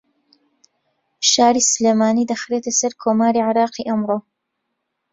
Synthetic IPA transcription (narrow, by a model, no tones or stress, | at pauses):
ʃaːɾiːsɨleːmaːniːd̪ɐxɾeːt̪ɐsɐɾkʰoːmaːɾiʕɪɾɑːqiːʔɐmroː